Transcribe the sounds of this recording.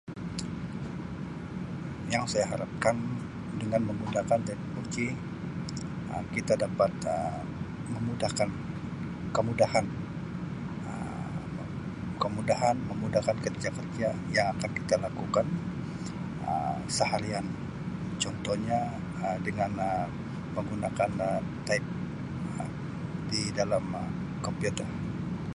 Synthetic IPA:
jaŋsajaɦaɾap̚kan | dəŋanməmudahkant̪adipurd͡ʒi | ə̰kit̪adapat̪̚ə | məmudahkan | kəmudahan | ə̰ | kəmudaɦanməmudahkankərd͡ʒakərd͡ʒajaŋakankit̪alakukan | ə̰səhaɾian | t͡ʃɔnt̪ɔhɲa | ədəŋanə | məŋɡunakant̪aip̚ | ə | didalam | kɔmpiut̪ər

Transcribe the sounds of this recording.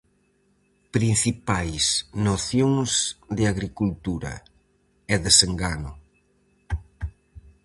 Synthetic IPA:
pɾin̟θipajsnoθjoŋzðɪaɣɾikult̪uɾɐ̰ | ɛðeseŋɡanʊ

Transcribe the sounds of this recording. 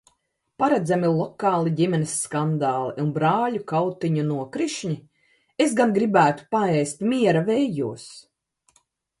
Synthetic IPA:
paɾad̪zamilˠɔkɑːlˠiɟʲimʲenʲesːkand̪aːlˠiʔunbɾaːlʲukawt̪iɲunuɔkɾiʃɲʲi | esɡanɡɾibæːt̪u̥paɛjst̪miɛɾavɛjjuɔs

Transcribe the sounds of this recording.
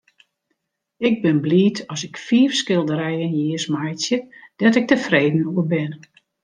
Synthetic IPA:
ɪɡ̚bɪnbliːtʰɔsɪkfiːfskɪlˠdəɾɛjənjiəsmajtjəd̥ɔtɪk̚təfreːdn̩uəbɪn

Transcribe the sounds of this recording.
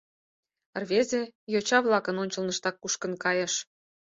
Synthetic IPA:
ə̆rβʲezʲejot͡ɕɑβlˠɑkə̆nonʲt͡ɕə̆lˠnə̆ʃt̪ɑkːuʃkə̆nkɑjɤ̆ʃ

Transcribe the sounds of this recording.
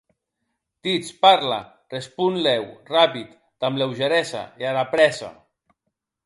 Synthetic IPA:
d̪̥it͡spaɾla̰ | respunlɛwrapit̪ | d̪̥amlewʒeɾɛsa̰eaɾapɾɛsa̰

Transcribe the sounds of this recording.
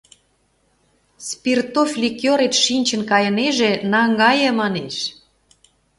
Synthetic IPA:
spirt̪oflʲikjoɾet̪ʃinʲt͡ɕə̆nkɑjə̆neʒĕnɑŋɡɑjĕmɑneʃ

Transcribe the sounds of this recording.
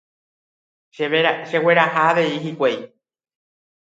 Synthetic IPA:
eeʃewe̞ɾahaːʋe̞iɦikʷej

